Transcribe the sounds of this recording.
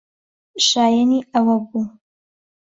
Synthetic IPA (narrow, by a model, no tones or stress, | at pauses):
ʃaːjaniɐwɐbuː